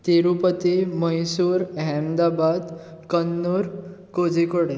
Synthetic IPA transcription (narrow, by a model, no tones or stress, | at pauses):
t̪eɾupət̪iməjsuːɾɦɛmd̪abad̪ | kənːuɾkod͡zikoɽe